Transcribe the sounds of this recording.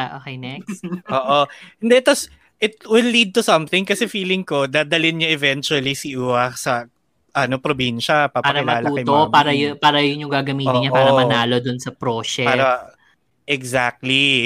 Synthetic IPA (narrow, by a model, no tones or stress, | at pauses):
ʔoːkɛjnɛkʔoːʔohɪnd̪ɛt̪ɐs | ʔɪt̪̚wɪlːid̪̚t̪ʊsɐ̃mθɪ̃ŋkɐsɛfiːlɪŋko̞d̪ad̪ɐlɪnɲɐʔɛvɛnt͡ʃʊɐlisiʔuɐksɐ | ʔɐno̞pɾobinʃɐpapaːɐɾɐmɐaːlɐuːkɐjmt̪opaːɾɐjpaːɾɐjʊŋɲʊŋɡaɡɐmiːoɪnɲaɐpaːɾɐmɐnaːlod̪ʊnsɐpɾoːʃɛpaːɾɐ | ʔɛɡzak̚t̪li